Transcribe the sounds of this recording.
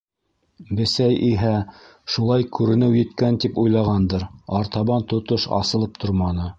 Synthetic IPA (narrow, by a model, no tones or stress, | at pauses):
bɘ̆sæjʔiɦæ | ʃulˠɑjkʉɾɘ̆nɘwjɘ̆t̪kænt̪ipujlˠɑʁɑnd̪ɤɾɑɾt̪ɑβɑnt̪ŏt̪oʃɑ̰sɤ̆lˠɤp̚t̪ʰoɾmɑnɤ